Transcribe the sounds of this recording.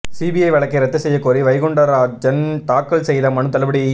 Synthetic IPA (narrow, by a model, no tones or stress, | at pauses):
siːbiɐɪʋɐɭɐkːɐɪɾɐt̪ːɯsɛjːɐkoːɾiʋɐɪɣʊɳɖɐɾaːd͡ʒɐnt̪aːkːɐlsɛjðɐmɐɳɯt̪ːɐlɐbɐɽi